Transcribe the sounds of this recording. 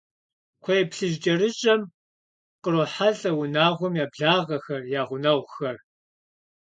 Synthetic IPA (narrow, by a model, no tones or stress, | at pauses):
kʷʰɐjpɬɨʒt͡ʃʼɐɾɨt͡ʃʼɐm | qəɾoħaɮʼɐwʊnaːʁʷɔmjaːbɮaːʁɐxɐrjaːʁʷʊnɐʁʷxɐr